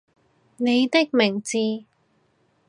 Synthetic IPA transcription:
ne˨˧jt̪ɪ˥k̚mɪ˨˩ŋt͡siː˧

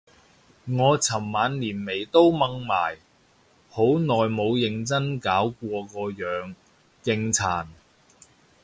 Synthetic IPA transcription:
ŋɔː˨˧t͡sʰɐ˨˩mːaː˨˧nliː˨˩nme˨˩jt̪o˥wmɐ˧ŋma̰ː˨˩j | ho˨˥wnɔː˨jmo˨˧wjɪ˧ŋt͡sɐ˥nkaː˨˥wkʷɔː˧kɔː˧jœː˨˧ŋ | kɪ˧ŋt͡sʰaː˨˩n

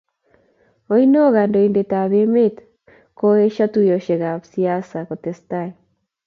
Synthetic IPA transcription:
o˦ino˦ɣa˨ndo˨i˨nde˨ta˨βe˦me˦t | ko˦e˦ʃa˦tu˦jo˨ʃe˨ɣa˨psia˦sa˨ko˨te˨sta˦j

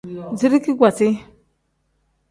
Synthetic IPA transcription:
d͡zi˦ɾi˦ki˦ɡʷa˨t͡si˦

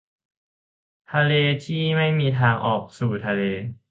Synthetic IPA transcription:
t̪ʰa˧leː˧t̪ʰiː˥˩ma˥˩jmiː˧t̪ʰaː˧ŋʔɔː˨˩k̚suː˨˩t̪ʰa˧leː˧

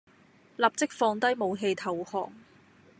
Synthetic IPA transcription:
lɐː˨˩p̚t͡sɪ˥k̚fɔː˧ŋt̪ɐ˥jmo˨˧wɦe˧jt̪ʰɐ˨whɔ̰ː˨ŋ

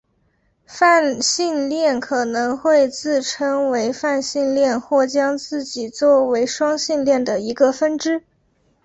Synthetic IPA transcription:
fa˥˧nɕi˥˧nljɛ˥˩nkʰɤ˨˩nɤ˧˥ŋxwe˥˧ɪt͡sɹ̩˥˩ʈ͡ʂʰɤ˥ŋwe˧˥ɪfa˥˧nɕi˥˧nljɛ˥˧nxwɔ˥˩t͡ɕjɑ˥ŋt͡sɹ̩˥˩t͡ɕi˨˩t͡swɔ˥˩we˧˥ɪʂwɑ˥ŋɕi˥˧nljɛ˥˩nd̪ə˩i˧˥ɡə˧fə˥nʈ͡ʂɻ̩˥

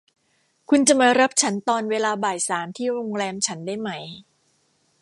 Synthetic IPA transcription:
kʰu˧nt͡ɕa˨˩ma˧ɾa˦˥p̚t͡ɕʰa˦˥nt̪ɔː˧nweː˧laː˧baː˨˩jsaː˩˦mt̪ʰiː˥˩ɾo˧ŋɾɛː˧mt͡ɕʰa˦˥ndaː˥˩jma˦˥j

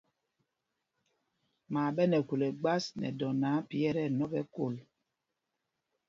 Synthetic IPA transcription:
maː˨ɓɛ˦nɛ˨ku˨le˨ɡ͡ba˦snɛ̰˨dɔ˨naː˨˦pi˦ɛ˦ɾɛ˦˨nɔ˦bɛ˦ko˦˨l

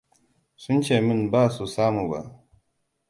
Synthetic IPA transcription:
su˦n˦t͡ʃe˨mi˦nbaː˦su˨saː˦mu˨ba̰˨

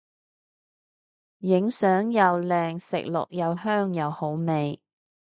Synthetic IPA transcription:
jɪ˨˥ŋsœː˨˥ŋjɐ˨wlɛː˨ŋsɪ̰˨k̚lʊ̰˨k̚jɐ˨˧whœː˥ŋjɐ˨˧who˨˥wme˨j

